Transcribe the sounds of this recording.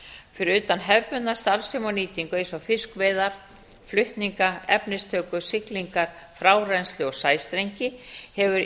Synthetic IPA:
fɪɾɪɾʏːt̪anɦɛvpʏnːast̪alsɪmɔniːt̪iŋkʏesafɪskvɛːðaɾ̥ | flʏht̪niŋkaɛpnɪst̪ʰœːkʏsɪkliŋkaɾ̥ | fɾaːwrɛnslɪɔɣsaːjst̪ɾejɲcɪhɛvʏɾ

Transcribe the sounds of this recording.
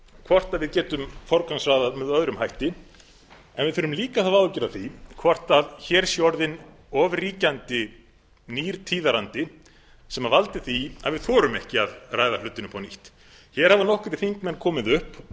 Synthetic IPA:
kʰvɔr̥t̪aðvɪðcɛːt̪ʏmfɔɾkansraːðaðmɛðœðɾʏmɦajht̪ɪ | ɛ̰nvɪðfʏːɾʏmliːkaθaðawʏcɛɾaθikʰvɔr̥t̪aðçɛɾ̥sjɔɾðɪn | ɔːvriːcant̪ɪ | niːɾt̪ʰiːðaɾant̪ɪ | sɛmavalt̪ɪ̥θia̰ðvɪðθɔːɾʏmɛhcɪaðraːjðalʏt̪ːɪnʏmpʰanḭht̪ | çɛːɾ̥havanɔhkʏɾt̪ɪ̥fiŋkmɛnːkʰɔːmɪðʏhp

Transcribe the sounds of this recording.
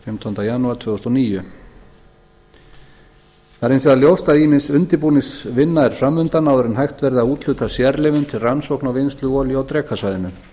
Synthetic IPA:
fɪmt̪ʰɔnt̪ajanuaɾt̪ʰvœːðɔst̪ɔoniːjʏ | θaɾɪnsɛðaljowst̪aðiːmɪnsʏnt̪ɪpuːnɪsvɪnːaɛɾ̥fɾamːʏnt̪anawðɛɾʏnɦajxt̪vɛɾðaðuːt̪l̥ʏːt̪asjɛɾlɪvʏnt̪ʰɪlransowknawvenst̪lʏɔːljʏawt̪ɾɛːkʰasajðɪnʏm

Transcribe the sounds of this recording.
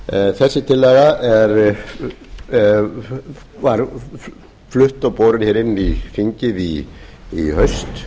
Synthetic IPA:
θɛsːɪt̪ʰɪlːɛɣaɛɾ | vaɾ | flʏht̪ɔwpoːwɾɪnçɛɾɪnːifiɲcɪði | ḭhœɥst̪

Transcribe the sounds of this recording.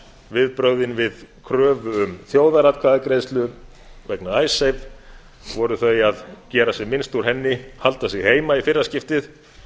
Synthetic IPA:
vɪðpɾœwðɪnvɪðkʰɾœːvʏʏmθjoːwðaɾat̪̚kʰvaðɪkɾejst̪lʏ | vɛknaajsejv | vɔɾʏθœjaðcɛːɾasɛmɪnst̪uɾ̥ɦɛnːɪhalt̪asɛɣheːjmaifɪrːascɪft̪ɪθ

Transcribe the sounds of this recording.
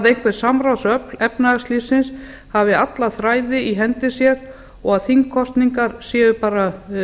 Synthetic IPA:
ðejŋ̥kʰvɛɾ̥samɾawsœplɛpnaaslisɪns | havɪat̪laθɾaːjðɪiɦɛnt̪ɪsjɛɾ | ɔɣaðθiŋkʰɔst̪niŋkaɾ̥sjɛːʏpaːɾa

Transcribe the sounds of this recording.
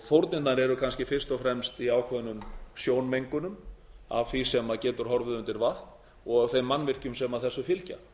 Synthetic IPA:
θowɾt̪nɪt̪naɾɛɾʏkʰanscɪfɪr̥st̪ɔfɾɛmst̪iaːwkʰvɛðnʏmsjoːwnmejŋkʏnʏma̰vθisɛmacɛːt̪ʏɾ̥ɦɔɾvʏðʏnt̪ɪɾvaht̪n | ɔɣɣaθejmːanːvɪr̥cʏmsɛmaðθɛsːʏfɪlca̰

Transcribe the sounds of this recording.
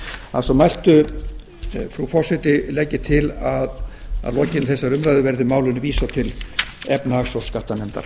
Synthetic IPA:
asɔmajl̥t̪ʏ | fɾufɔrsɪt̪ɪlɛcːɪt̪ʰɪlaða̰ðlɔːcɪnθɛsːaɾʏmɾajðʏvɛɾðɪmaːwlʏnɪviːsat̪ʰɪlɛpnaaxsɔskaht̪amɛnt̪a̰ɾ̥

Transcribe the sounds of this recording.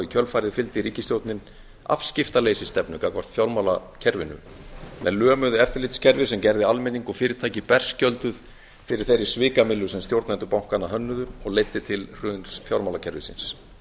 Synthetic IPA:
ɪcʰœlfaːjɾɪðfɪlt̪ɪɾiːcɪst̪jowt̪nɪn | a̰fscɪft̪aleːjsɪst̪ɛpnʏkakvar̥t̪fjawlmawlacʰɛɾvɪnːʏ̰ | mɛ̰nlœːmʏðʏɛft̪ɪɾlɪːt̪ɪ̥scʰɛɾvɪsɛmcɛɾðɪalmɪnːiŋkɔɣfɪːɾɪɾt̪ʰaːjcɪpɛr̥scœlt̪ʏð | fɪɾɪɾ̥θejɾːɪ̥svɪːkamɪlːʏsɛmst̪jowɾt̪nant̪ʏpawŋ̥kanːaɦœnːʏðʏmɔɣleːjt̪ːɪt̪ʰɪlr̥ʏːnsfjawlmawlacʰɛɾvɪ̰sɪ̰ns

